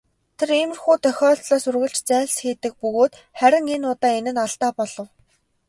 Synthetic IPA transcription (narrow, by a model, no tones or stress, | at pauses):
t̪ʰeɾemɘ̆rxuːt̪œxʲɔːɮt̪ɮɔːsɵrɣə̆ɬt͡ɕt͡sæːɮsxeːt̪ɘ̆k̚pɵɣoːt̪ | χæɾʲɪ̆ŋenʊːt̪aːenɘ̆naɮt̪aːpɔɮ̥ɞ̆w